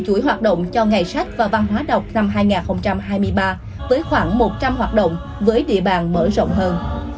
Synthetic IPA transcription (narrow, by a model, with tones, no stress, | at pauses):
t͡ɕu˧˩əjɦwaː˨˩t̚ɗə̰˧˨wŋ͡mt͡ɕɔ˧ŋa˨˩jsa˦˥k̚vaː˨˩va˧nɦwaː˨˦ɗə˨˩wk͡p̚na˧mɦaː˧jŋaː˨˩nxə˧wŋ͡mt͡ɕa˧mɦaː˧jmɨ˧əjɓaː˧ | vəː˨˦jxwaː˧˩ŋmo˨˩t̚t͡ɕa˧mɦwaː˨˩t̚ɗə̰˧˨wŋ͡m | vəː˨˦jɗḭ˧˨əɓaː˨˩nməː˧˩zo̰˧˨wŋ͡mɦəː˧n